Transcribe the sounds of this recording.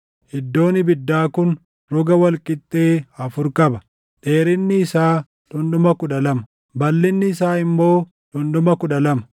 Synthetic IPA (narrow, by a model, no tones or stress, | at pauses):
ʔɪd̪ːo̞ːnɪbɪd̪ːaːkʊn | ɾɔɡɐwɐlkʼɪt̪ʼːe̞ːɐfʊɾkʼɐbɐ | ᶑe̞ːɾɪnːɪːsaː | ᶑʊnɗʊmɐkʊᶑɐlɐmɐ̥ | bɐlːɪnːɪːsaːɪmːo̞ː | ᶑʊnɗ̪ʊmɐkʊᶑɐlɐmɐ̥